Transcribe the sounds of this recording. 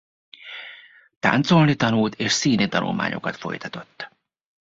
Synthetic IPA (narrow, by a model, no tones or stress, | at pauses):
t̪a̰ːnt̪so̞lnit̪ɒnult̪eːʃsiːnit̪ɒnṵlma̰ːɲʔo̞̰kɒt̪fo̞̰jt̪ɒt̪o̞t̪ː